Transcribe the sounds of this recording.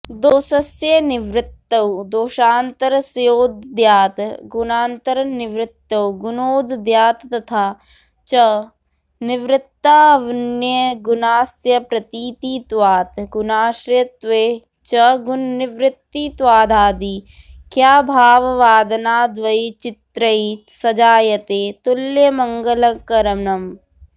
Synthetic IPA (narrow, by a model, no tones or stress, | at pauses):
d̪oːsɐsjɐnɪʋɾɪt̪ːɐwd̪oːʃaːnt̪ɐɾsjoːd̪ːjaːt̪ɡʊnaːnt̪ɐɾnɪʋɾɪt̪ːɐwɡʊnoːd̪d̪jaːt̪ːɐt̪ʰaː | t͡ʃɐ | nɪʋɾɪt̪ːaːʋnjəɡʊnaːsjɐpɾɐt̪iːt̪iːt̪ʋaːt̪ɡʊnaːʃɾjɐt̪ʋeː | t͡ʃɐɡʊnːɪʋɾɪt̪ːit̪ʋaːd̪ʱaːd̪iː | kjaːbʱaːʋʋaːd̪naːd̪ʋɐit͡ʃɪt̪ɾɐisɐd͡ʒaːjɐt̪eːt̪ʊljemɐŋɡɐlɐkɐɾɐnɐm